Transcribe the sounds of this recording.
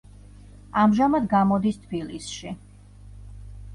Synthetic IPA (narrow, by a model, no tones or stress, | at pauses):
amʒamad̪ɡamɔd̪ist̪ʰbilisʃi